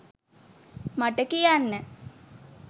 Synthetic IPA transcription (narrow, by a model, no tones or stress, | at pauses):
maʈəkijanːə